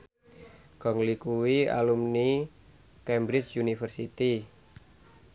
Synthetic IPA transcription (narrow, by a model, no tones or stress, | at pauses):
ɡ̥ɔ̤ŋlikuwia̰lumni | kɛmbɾɪt͡ʃjunifərsit̪i